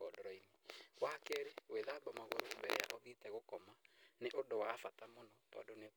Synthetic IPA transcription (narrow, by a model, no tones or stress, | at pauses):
ɔdɔɾɔiniɣwakeɾeweðabɔmaɣo̰ɾombɛ̰ɾɛ̰ja̰ʔɔðitɛɣokɔmaneʔodowaːfatamɔnɔtɔ̰done